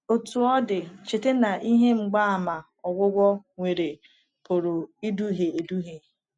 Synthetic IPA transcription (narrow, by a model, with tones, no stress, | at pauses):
o˨tu˨ɔ˦dɪ˨t͡ʃɪ˨tɪ˦na˨ʔi˦ɦe˦ŋ͡m̩˨ɡ͡ba˦a˨ma˨ | ɔ˨ɡʷʊ˦ɡʷɔ˦ŋʷe˨ɾe˨ | pʊ˨ɾʊ˨i˦du˦ɦe˨e˨du˦ɦe˨